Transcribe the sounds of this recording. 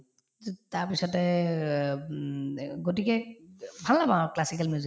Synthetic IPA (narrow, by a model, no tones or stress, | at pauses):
taɹpisɔtɛ | ɡot̬ikɛbʱallabãklasik̬almiuzi